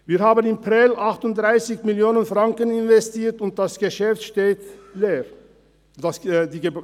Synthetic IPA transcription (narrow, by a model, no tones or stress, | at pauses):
viːɾhaːbənɪmpʁɪlʔaxtʊntd̥ʁaɪsɪçmɪljoːnənfʁaŋkənɪnvɛstiːtʊnt̚d̥asɡ̥əʃɛftʃteːtleːɾ | dasdiːɡə